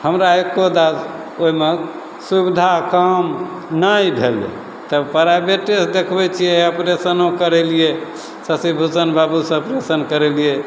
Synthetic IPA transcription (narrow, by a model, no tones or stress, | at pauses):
həmɾaekod̪as | oime | subid̪ʱakəm | najbʱelḛ | t̪əbpəɾabeʈesd̪ekʰbɛt͡ʃʰijɛəpɾesənõkəɾelije | səsibʱusənbabusə̃əpɾesənkəɾɛlie